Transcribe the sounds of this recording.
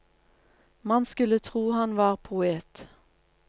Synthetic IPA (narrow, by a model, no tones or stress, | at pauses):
mɑnskʉlət̪ʰʁuːhɑnʋɑːʁpʰʊeːt̪